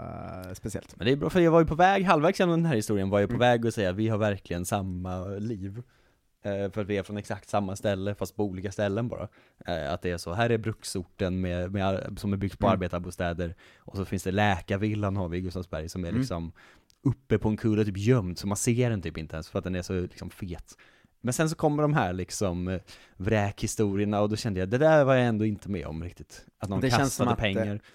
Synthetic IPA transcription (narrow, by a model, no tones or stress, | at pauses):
spɛsɪɛ̰lt̪mɛnd̪ɛjbɾɑ̰ːfɾjɑvaɾjəpʰɔvɛːɡɦalːvæɾksjɛnɔmd̪ɛnɦæːɾhɪst̪uːɾɪənvaːɾjəpʰɔvɛːɡɔsɛjːat̪vɪhaɾvæɾklɪɡənsamːaliːv | fœɾat̪vɪæɾfɾɔnɛksak̚t̪samːast̪ɛlːəfast̪̚pʰɔuːliːkast̪ɛlːənbɑ̰ːɾa̰ | a̰t̪̚d̪ɛːʂɔɦæːɾæɾbɾɵksʊʈːənmɛmɛsɔmɛbʏɡ̚t̪pʰɔaɾbeːt̪abuːst̪ɛːd̪əɾ | ʔɔsɔfɪnsd̪ɛlɛːkavɪlːanhaɾvɪɡɵsavsbæ̰ɾjsɔmɛɾɭɪksɔm | ɵpːəpʰɔɛnkʰɵlət̪ʰyːpjœmd̪sɔmanseːɖɛnt̪ʰyːpɪnt̪əɛnsfœɾat̪̚d̪ɛnæʂɔlɪksɔmfeːt̪ | mɛnsɛns̬ɔkʰɔmːəɖɔmɦæːɾɭɪksɔm | vɾɛːkhɪst̪uːɾɪəɳaɔd̪ɔɕɛnd̪əjad̪ɛd̪æɾvaɾjaɛnd̪oːɪnt̪əmɛ̰ːɔ̰mɾɪk̚t̪ɪt̪ʔat̪nɔnʰast̪aəpʰɛŋːaɾ